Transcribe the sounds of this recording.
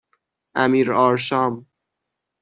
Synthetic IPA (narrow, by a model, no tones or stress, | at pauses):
ʔæmiːɾɒːɾʃɒːm